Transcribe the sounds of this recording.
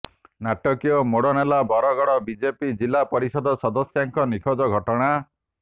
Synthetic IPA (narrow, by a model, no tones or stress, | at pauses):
naʈɔkiɔmoɽɔnelabɔɾɔɡɔɽɔbid͡ʒepid͡ʒilapɔɾisɔd̪ʱɔsɔd̪ɔsjaŋkɔnikʰɔd͡ʒɔɡʱɔʈɔɽ̃a